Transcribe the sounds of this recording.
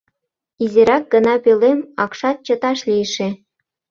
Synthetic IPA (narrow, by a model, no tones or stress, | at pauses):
izeɾɑk̚ɡə̆nɑpelemɑkʃɑt̪̚t͡ɕɤ̆t̪ɑʃlʲijʃe